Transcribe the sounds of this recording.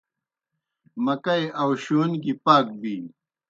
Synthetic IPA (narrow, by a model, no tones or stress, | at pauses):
mɐkɐjʔɐwɕoːnɡipaːk̚biː